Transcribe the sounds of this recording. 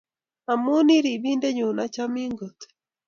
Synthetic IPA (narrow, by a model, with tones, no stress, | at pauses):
a˨mu˦ni˦ɾi˨βiː˦nde˦ɲuː˨na˦ca˦miː˦ŋɡo˨te̥˨